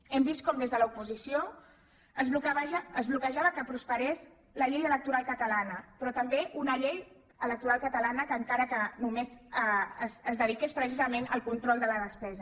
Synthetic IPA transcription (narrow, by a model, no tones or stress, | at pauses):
ɛmbist̪̚kɔmd̪ezðələupuzisio | əzlukβaəzβlukəʒaβəkəpɾuspəɾez | ləʎejələk̚t̪uɾalˠkət̪əlanəpɾɔt̪əmbeʔunəʎej | ələk̚t̪uɾalˠkət̪əlanəkəŋkaɾəkənumezəəzəzðəð̞ikespɾəs̬izəmenə̰lˠkunt̪ɾɔlˠd̪ələðəspɛzə